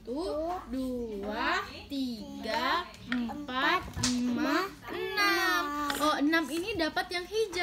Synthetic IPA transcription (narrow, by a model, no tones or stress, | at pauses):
t̪udua | t̪iɡa | əmpat̪̚limma | ənamʔɔənaminidapat̪jaŋɦid͡ʒa